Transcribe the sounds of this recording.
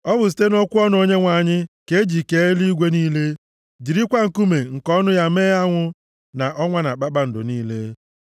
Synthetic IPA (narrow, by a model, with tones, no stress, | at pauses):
ɔ˦bʊ˨s̬i̥˨˦te˦nɔ˦kʷʊ˦ɔ˦n˦o˦ɲe˦ŋʷa˨ɲɪ˦ke˦e˦d͡ʒi˨ke˦li˦ɡʷe˦niː˦le˦ | d͡ʒi˨ɾi˦kʷa˦ŋ̩˨ku˦me˨ŋ̩˨kɔ˦nʊ˦ja˦meː˦a˦ŋʷʊ˦ | na˨ʔɔ˦ŋʷa˦na˨k͡pa˦k͡pa˦n̩˨dʊ̰˨niː˦le˦